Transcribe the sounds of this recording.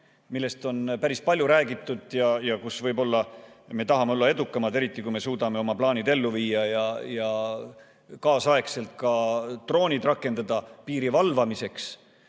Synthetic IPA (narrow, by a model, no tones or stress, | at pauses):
milːe̞st̪o̞npæɾispɑlʲjuɾæːɡit̪ːˑud̪̥jɑjɑkusvɤjbo̞lːɑme̞t̪ɑɦɑmeo̞lːɑe̞d̪ukːˑɑmɑd̪̥e̞ɾit̪ˑːikujme̞suːd̪̥ɑme̞o̞mɑplɑːnid̪̥e̞lːuviːɑjɑjɑ | kɑːsɑe̞kse̞lt̪̚kɑt̪ro̞ːnʲid̪rɑkːˑe̞nd̪̥ɑd̪̥ɑpiːɾivɑlvɑmise̞ks